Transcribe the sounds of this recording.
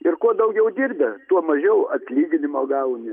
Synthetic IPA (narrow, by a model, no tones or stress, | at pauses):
ɪrkuɔd̪ɐʊɡʲɛʊd̪ʲirʲbʲɛt̪uɔmɐʒʲɛʊɐt̪ʲlʲiːɡʲɪnʲɪmoːɡɐʊnʲɪ